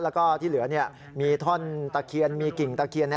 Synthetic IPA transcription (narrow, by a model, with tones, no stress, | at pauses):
lɛː˦˥kɔː˥˩t̪ʰiː˥˩lɯ˨˩˦ɐni˥˩ɐ | miː˧t̪ʰɔ˥˩nt̪a˧˩kʰi˧ənmiː˧ki˨˩ŋt̪a˧kʰi˧ənːɛ˦